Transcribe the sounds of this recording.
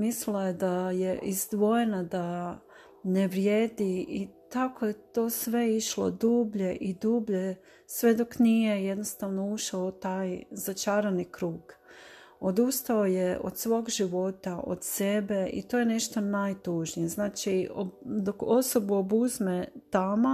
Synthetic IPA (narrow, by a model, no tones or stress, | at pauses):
mislajed̪ajeʔizd̪ʋo̞jenad̪a | neʋɾjeːd̪iit̪ako̞je̞t̪o̞ːsʋe̞iʃlo̰d̪uːbʎe̞ʔid̪uːbʎe̞ | sʋe̞d̪o̞knije̞je̞d̪nost̪aʋno̞uʃaut̪ajzat͡ʃaːɾanikɾuːɡ̥ | o̞d̪ust̪ao̞jeo̰d̪sʋo̞ːɡʒiʋo̞t̪aʔo̰d̪se̞be̞ḭt̪ojene̞ʃt̪o̞najt̪uːʒnijeznaːt͡ʃiod̪okoso̞buobuzmet̪ama